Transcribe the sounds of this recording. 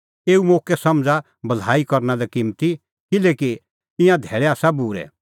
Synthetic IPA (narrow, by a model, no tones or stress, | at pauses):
eːumoːkɛsɐmd͡za | bɐlaːikɔɾnalɛkimt̪i | kɪleːki | ɪ̃jãd̪ʱɛːɭɛaːsabuːɾɛ̰